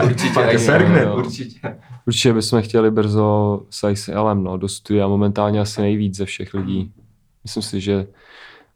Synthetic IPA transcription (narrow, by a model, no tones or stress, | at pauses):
uɾt͡ʃɪɛsɛɾɡnɛuɾt͡ʃɪɛuɾt͡ʃɪcɛbɪsmɛxcɛlɪbr̩zo̞sajsɛlɛmnodost̪udɪaamo̞mɛnt̪aːlɲɛasɪnɛjviːd͡zzɛfʃɛxlɪɟiː | mɪslɪmsɪʒɛ